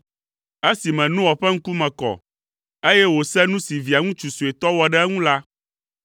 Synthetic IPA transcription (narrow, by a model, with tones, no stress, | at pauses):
e˦si˨mɛ̃˨nũ˦wɔ˨ɸɛ˦ŋ̩˦ku˦mɛ̃˨kɔ̰˨ | e˦jɛ˦wo˨sɛ˦nũ˦si˨vi˨a˨ŋũ˦t͡ʃu˨su˨e˨t̪ɔ˦wɔ˦ɖɛ˦ɛ˦ŋũ˦la˦